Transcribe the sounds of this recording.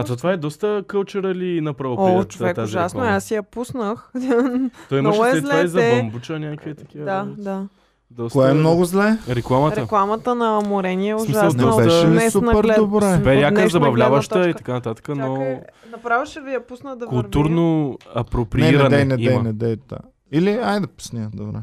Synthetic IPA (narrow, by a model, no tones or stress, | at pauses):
ɐt̪ɔt̪ovaɛd̪ɔst̪əkəlˠt͡ʃɛɾəlinɐpɾɐvoit̪vɛt̪azʒiʒɛasnoɛasijɐpusnəx | ɔimmɐʃɛt̪lvaizɐɛɐmbut͡ʃɐnʲakkviət̪ɐkiəd̪ad̪a | d̪ɔstkoɛɛmnɔɡʊzlɛɾɛklˠamɐt̪ɛəklˠamɐt̪ənɐmoɾɛniɛsʊʒmiʒsasɔsɛʃɛɛsunɐpɛɾɛd̪obɾɛbɛɾiakəzɐbɐvlʲavɐʃt̪əit̪ɐ̥kanɐt̪at̪ə̥kənonɐpɾavɐʃɛvijɐpusnəd̪ɐkulˠt̪uɾnoɐpɾopɾiɛiɾɛɐnɛnɛiɛjnɛd̪ɛd̪a̰ | iliajd̪ɐpu̥snʲiəd̪obɾɛ̰